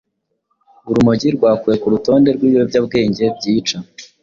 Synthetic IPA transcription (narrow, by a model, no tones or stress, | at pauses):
uɾumoɟiɾɡwaːkuɾe̞kuɾuto̞ːnde̞ɾɡwiːwo̞bɟab̚ɡe̞ːɲɟe̞b̚ɟiːt͡ʃa